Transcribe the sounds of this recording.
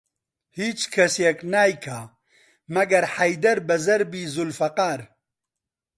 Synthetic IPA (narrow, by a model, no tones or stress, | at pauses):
hiːt͡ʃkʰɐsjɛknaːjkʰaː | mɐɡɐɾħɐjd̪ɐɾbɐzɐɾbiːzulfɐqaːɾ